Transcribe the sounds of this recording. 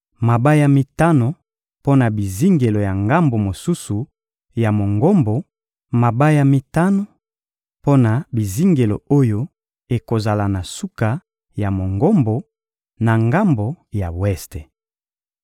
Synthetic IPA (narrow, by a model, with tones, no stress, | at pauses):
ma˨ba˦ja˨mi˨ta˦no˨ | po˦na˨bi˨zi˦ŋɡe˨lo˨ja˨ŋɡa˦mbo˨mo˨su˦su˨ | ja˨mo˨ŋɡo˦mbo˨ | ma˨ba˦ja˨mi˨ta˦no˨ | po˦na˨bi˨zi˦ŋɡe˨lo̰˨o˦jo˦ | e˨ko˨za˨la˨na˨su˦ka˨ | ja˨mo˨ŋɡo˦mbo˨ | na˨ŋɡa˦mbo˨ja˨wɛ˦ste˨